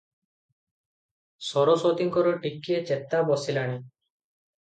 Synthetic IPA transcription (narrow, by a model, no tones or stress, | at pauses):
sɔɾɔsɔt̪iŋkɔɾɔʈikːiet͡ʃet̪abɔsilaɽ̃i